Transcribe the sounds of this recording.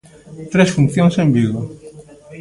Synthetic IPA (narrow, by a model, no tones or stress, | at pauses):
t̪ɾesfun̟θjõŋsẽmbiɣo